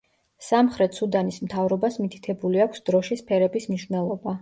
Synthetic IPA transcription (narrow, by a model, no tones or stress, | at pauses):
samχɾɛt̪ʰsud̪anismt̪ʰavɾɔbasmit̪ʰi̥t̪ʰɛbuliakʷʰsd̪̥ɾɔʃispʰɛɾɛbismniʃvnɛlˠɔba